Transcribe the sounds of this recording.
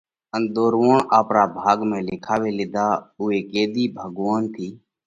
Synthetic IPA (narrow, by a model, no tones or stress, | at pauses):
ənd̪oːɾʋoːɳaːpɾaːbʱaːɡmẽːlɪkʰaːʋeːlɪd̪aːʊeːkeːd̪iːbʱəɡʋaːnt̪ʰiː